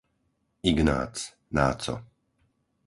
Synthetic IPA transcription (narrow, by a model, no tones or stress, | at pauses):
iɡna̰ːt͡s | naːtt͡sɔ̰